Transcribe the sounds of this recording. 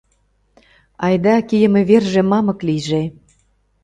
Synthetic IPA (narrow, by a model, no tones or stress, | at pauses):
ɑjd̪ɑkijə̆mĕβerʒĕmɑmɤ̆kliʒe